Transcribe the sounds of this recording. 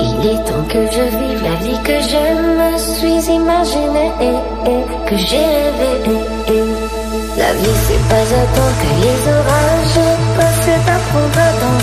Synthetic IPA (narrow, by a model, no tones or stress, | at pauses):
ilɛt̪ɑ̃kəʒəvilavikəʒəməsɥizimaʒineʔe | e | kəʒeʁevele | e | la̰visɛ̰pazãt̪ɑ̃kəlezɔvaʒəkɔsɛt̪ãpχɔvad̪ɑ̃